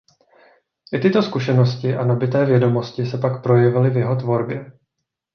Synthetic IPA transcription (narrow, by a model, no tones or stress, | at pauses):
ʔɪt̪ɪt̪o̞skuʃɛnoscɪʔanabɪt̪ɛːvjɛdo̞mo̞scɪsɛpakpɾo̞jɛvɪlɪvjɛɦo̞t̪vo̞ɾbjɛ